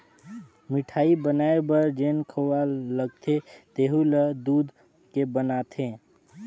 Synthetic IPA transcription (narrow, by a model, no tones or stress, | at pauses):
mɪʈʰaːibənaebəɾd͡ʒeːnkʰəwaləɡ̚t̪ʰet̪eɦuləd̪uːd̪ | kebənat̪ʰẽ